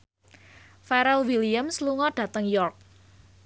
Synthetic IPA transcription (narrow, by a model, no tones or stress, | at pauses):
fɛɾɛlwiliamsluŋɔɖ̥ä̤t̪əŋjɔrk̚